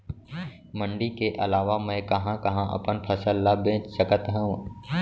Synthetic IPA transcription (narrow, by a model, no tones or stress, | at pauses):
mə̃ɳɖikeʔɐlaːʋamɛ̃kɐɦãkɐɦãʔɐ̰pənpʰɐsəlːabẽːt͡ʃt͡ʃəkət̪ɦə̃ũ